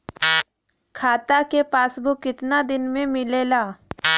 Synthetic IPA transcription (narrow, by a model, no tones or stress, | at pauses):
kʰaːt̪akepaːsbʱokɪt̪nad̪ɪnmẽmɪleːlaː